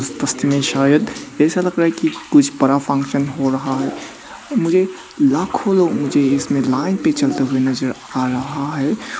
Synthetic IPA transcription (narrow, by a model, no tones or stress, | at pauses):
st̪əst̪imẽʃaːjəd̪ɛsaləɡɾaɦɛkikʊt͡ʃʰpəɾapʰə̃ŋkʃənɦoɾəɦaɦɛ | mʊd͡ʒe | lakʰoloɡmʊd͡ʒeɪsmẽlaːɪnpet͡ʃəlt̪eɦuenəzəɾ | aɾəɦaɦɛ